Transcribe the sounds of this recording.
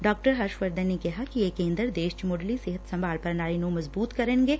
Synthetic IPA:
ɖɔːk̚ʈəɾɦɐɾʃʋɐɾd̪ənːekɛɦakieːkẽːnd̪əɾd̪eːʃt͡ʃmoːɖlisɪɦət̪sɐmbaːlpɐɾnaːɾinoːmɐzbuːt̪kɐɾẽːnɡeː

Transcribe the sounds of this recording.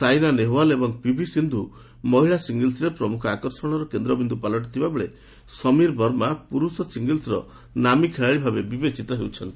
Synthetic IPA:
sajnaneɦoalebɔŋpibʱisind̪ʱu | mɔɦiɭasiŋɡilsɾepɾɔmukʰɔakɔɾsɔɽ̃ɔɾɔkend̪ɾɔbind̪ʱupalɔʈ̬ɔt̪ʰibabeɭe | sɔmiɾbʱɔɾmapuɾusɔsiŋɡilsɾɔ̰ | namikʰeɭaɭibʱabebibet͡ʃit̪ɔɦewt͡ʃʰɔnt̪i

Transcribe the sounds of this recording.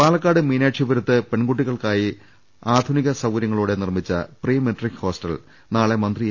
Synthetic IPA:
paːlɐkːaːɽɨmiːnaːʈʂiʋɐɾɐt̪ːɨpe̞ɳɡuʈːiɣɐɭkaːji | aːd̪ʱuniɣɐsɐwɐɾjɐŋːɐɭuːɽe̞nirmit͡ɕːɐ̰priːmeʈrikho̞ːsʈɐl | naːɭe̞mɐnd̪ri

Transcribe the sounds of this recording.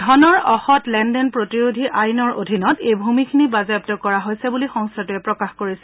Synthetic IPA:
dʱɔnɔɹɔxɔtlɛndɛnpɹotiɹodʱiʔajnɔɹo̰dʱinɔtejbʱumikʰinibazɛb̚tɔkɔɹaɦojsɛbulixɔŋstʰatuɛpɹɔkaxkoɹisɛ

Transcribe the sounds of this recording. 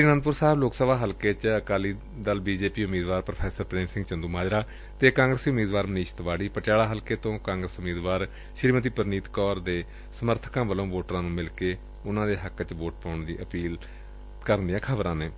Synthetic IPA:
ʃɾiːnə̃nd̪pʊɾsaːɦəbloːksəʋaːɦəlkeːt͡ʃəkaːliː | d̪əlbiːd͡ʒeːpiːʊmːiːd̪ʋaːɾpɾəpʰɛːsəɾpɾeːmsɪ̃ŋɡt͡ʃənd̪uːmaːd͡ʒɾaː | t̪eːkãːŋɡɾəsiːmiːd̪ʋaːɾməniːʃt̪ʋaːɽiːpəʈjaːɽaːɦəlkeːt̪õːkãːŋɡɾəsʊmiːd̪ʋaːɾ | ʃɾiːmət̪iːpəɾniːt̪kɔːɾd̪eː | səməɾt̪ʰə̥kãːʋəlõːʋoːʈɾãːnũːmɪlkeː | ʊnãːd̪eːɦəkːt͡ʃʋoːʈ̚pɔ̃ːʊɳd̪iːʔəpiːl | kəɾnd̪ijãːkʰəbɾãːneː

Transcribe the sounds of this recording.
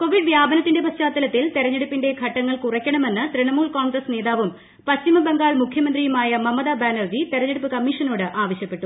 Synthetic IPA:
ko̞ʋiɖʋjaːbɐnɐt̪ːinde̞pɐst͡ɕaːt̪ːɐlɐt̪ːilt̪eɾɐɲːeɽupːinde̞kʰɐʈːɐŋːɐɭkurɐkʲːɐɳɐme̞nːɨt̪ɾeɳɐmuːɭkoːnɡrɐsne̞ːd̪aːʋɐm | pɐɕt͡ɕimɐbeŋɡaːɭmukʰjɐmɐnd̪rijumaːjɐmɐmːɐd̪abaːnɐrd͡ʑit̪eɾɐɲːeɽupːɨkɐmːiʂɐno̞ːɽɨʔaːʋɐɕjɐpːe̞ʈːu

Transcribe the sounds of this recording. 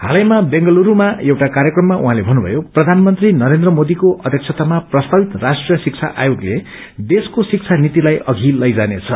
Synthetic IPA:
ɦa̰lʌjmabeŋɡʌluɾumaewʈakaɾjʌkrʌmːaʔuɦãlebʱʌnːubʱʌ̰joprʌd̪ʱanmʌnt̪rinʌɾend̪rʌmod̪ikoʔʌd̪ʱjʌk̚t͡sʰʌt̪amaprʌst̪abit̪rasʈrijʌsik̚t͡sʰa̰ʔa̰joɡle | d̪eskosik̚t͡sʰanit̪ilajʌɡʱilʌjd͡zanet͡sʰʌ

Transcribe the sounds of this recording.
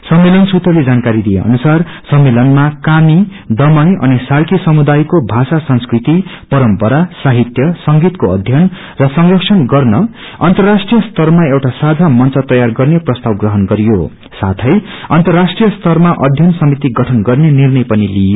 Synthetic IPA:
sʌmːelʌnsut̪ʌled͡zankaɾid̪ijḛʌ̰nusar | sʌmːelʌnmakami | d̪ʌmʌjʌ̰nisalkisʌmud̪ajkobʱasasʌnskrit̪ipʌɾʌmpʌɾasaɦit̪jʌsʌŋɡit̪koʌd̪ʱjʌn | rʌsʌŋrʌksʰʌnɡʌrnʌ | ʌ̰nt̪ʌrasʈrijʌst̪ʌrmaewʈasad͡zʱamʌnt͡sʌt̪ʌjarɡʌrneprʌst̪awɡrʌɦʌnɡʌɾijo | sat̪ʰʌj | ʌnt̪ʌrːasʈrijʌst̪ʰʌrmaʔʌd̪ʱjʌnsʌmit̪iɡʌʈʰʌnɡʌrnenirnʌjpʌnilijo

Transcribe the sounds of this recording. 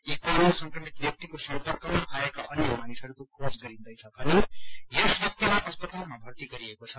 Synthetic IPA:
ikoesʌ̃ŋkrʌmit̪bjʌk̚t̪ikosʌmpʌrkʌmapʰaekaʔʌnjʌmanisɦʌɾukokʰosɡʌɾind̪ʌjt͡sʰʌkʌnijesbjʌk̚t̪imaʔʌspʌt̪almabʱʌrt̪iɡʌɾiekot͡sʰʌ

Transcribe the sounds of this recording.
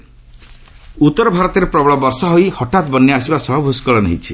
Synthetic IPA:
ut̪ːɔɾɔbʱaɾɔt̪ɔɾepɾɔbɔɭɔbɔɾsɔɦojhɔʈat̪bɔnːɛasibasɔɦɔbʱuskɔɭɔnḛɦḭ̃t͡ʃʰi

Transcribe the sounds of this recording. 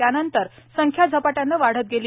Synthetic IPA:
janənt̪əɾsəŋkʰjad͡zʱəpaʈjanːəʋaɽ̤ət̪̚ɡeliː

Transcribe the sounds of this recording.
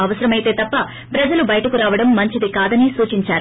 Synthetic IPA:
ɐʋɐsɐɾɐmɐjt̪e̞ːt̪ɐpːɐ | pɾɐd͡ʒɐlubɐjʈɐkuɾaːʋɐɽɐmːɐɲt͡ʃid̪ikaːd̪ɐnisuːt͡ʃiɲt͡ʃaːɾu

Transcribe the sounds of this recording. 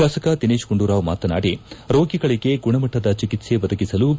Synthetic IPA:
aːsɐkɐd̪ineːʃkuɳɖuɾaːʋma̰ːt̪ɐnaːɽiɾoːɡiɡɐɭiɡe̞ɡuɳɐmɐʈːɐd̪ɐt͡ʃikit̪se̞ʋɐd̪ɐɡisɐlu

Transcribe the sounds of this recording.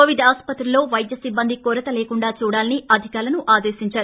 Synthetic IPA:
oːʋid̪aːspɐt̪ɾilo̞ːʋɐjd̪jɐsibːɐnd̪ikoːɾɐt̪ɐleːkuɳɖaːt͡ʃuːɽaːliniʔɐd̪ʱikaːɾlɐnuʔaːd̪e̞ːʃiɲt͡ʃaːɾu

